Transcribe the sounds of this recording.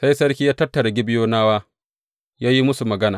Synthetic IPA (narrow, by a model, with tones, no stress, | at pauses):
sa˦jsɐ˦ɾkʲiː˦jaː˦tɐ˦tːɐ˨ɾa˨ɡʲɪ˦bɪ˦joː˦naː˦waː˦ | jaː˦ji˦mʊ˦su˨mɐ˨ɡɐ˦naː˨